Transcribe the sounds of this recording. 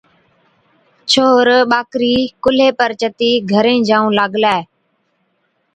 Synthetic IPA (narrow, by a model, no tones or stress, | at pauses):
t͡ʃʰoːɾɓaːkɾiːkʊleːpəɾt͡ʃət̪iːɡʱəɾẽːd͡ʒãːũːlaːɡlaːe